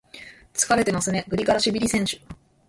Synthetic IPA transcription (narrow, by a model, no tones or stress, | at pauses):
t͡sɨ̥kaɾe̞t̪e̞masɨne̞ɡɯ̟ɾʲikaɾaɕibʲiɾʲisẽ̞ɰ̃ɕɨ̥